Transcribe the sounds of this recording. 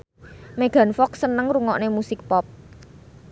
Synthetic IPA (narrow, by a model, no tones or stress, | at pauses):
meɡ̥a̤nfɔk̚sənəŋruŋɔ̰ʔnemusɪk̚pɔp̚